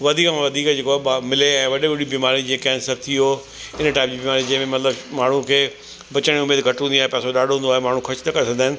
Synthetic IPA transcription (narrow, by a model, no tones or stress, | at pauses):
ʋɐd̪ʱiːkmãʋɐd̪ʱiːkd͡ʑeːkoaːamɪleɛ̃ːʋɐɗiʋʊɗibiːmaːɾid͡ʑeːkãɪnsɐɾt̪ʰio | ɪnʈaːɪmd͡ʑibiːmaːɾid͡ʑɐ̃ɦɪ̃mẽmɐt̪ləbmaːɳ̤ũkʰeː | bɐt͡ɕəɽ̃iʊmeːd̪ɡʱɐʈɦũnd̪iaːɦepɛːsoɗaːɖʱɦũːnd̪aːɦemaːɳ̤ũxʰɐt͡ɕʰt̪ʰɐkɐɾes̬ɐ̃ɡd̪aːɦɪnɪ̆